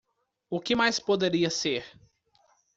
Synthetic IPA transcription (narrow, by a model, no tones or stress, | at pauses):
ʊkɪmajspod̪eɾiɐseɾ